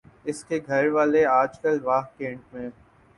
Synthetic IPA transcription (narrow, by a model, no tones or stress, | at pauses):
ɪskeɡʱɐɾʋaːleaːd͡ʒkəlʋaːɦkẽːɳʈ̚mẽː